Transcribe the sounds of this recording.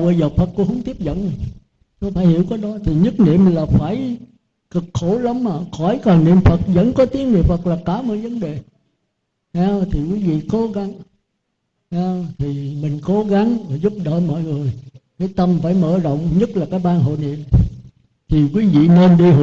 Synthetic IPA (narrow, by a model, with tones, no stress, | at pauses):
wʔəː˧˨˦zəː˨˩fʰə˨˩t̚kṵ˧˥hə˧wŋ͡mt̪i˦˥əp̚zə̰˧˨nmi˨˩ŋ | to˧˦faː˧˦jhḭ˧˩əwkɔː˨˦jɗɔ˨˦t̪ʰi˨˩ɲɨ˦˥t̚nḭ˧˨əmlaː˨˩faː˧˩j | kɨ˨˩k̚xo˧˩˦lə˨˦ma˨˩xɔ˧˩jkɔ˨˩nnḭ˧əmfə˨˩t̚zə̰˧˥nkɔ˨˦t̪i˨˦əp̚nḭ˧˨əmfə˨˩t̚laː˨˩kaː˧˩mɔ̰˧˨jvə˨˦nɗe˨˩ | hɛ˨˦t̪ʰi˨˩kwi˨˦vḭ˧˨ko˨˦ɣa˨˦ŋ | ha˨˧t̪ʰi˨˩mï˨˩ŋ̟ko˨˦ɣa˨˦ŋvaː˨˩zu˦˥p̚ɗə̰ː˧˨mɔ̰˧˨jŋɨ˨˩əjkaː˨˦jt̪ə˧mfaː˧˩jmə̰ː˧˨zə̰˧˨wŋ͡mɲə˦˥t̚laː˨˩kaː˦˥k̚ɓaː˧nɦo̰˧˨nḭ˧˨əm | t̪ʰi˨˩kwi˨˦vḭ˧˨ne˧nɗi˧ɦ